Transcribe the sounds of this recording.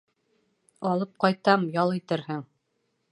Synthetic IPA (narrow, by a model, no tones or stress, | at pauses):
ɑlˠɤp̚qɑjt̪ɑmjɑlˠit̪ɘɾhɘŋ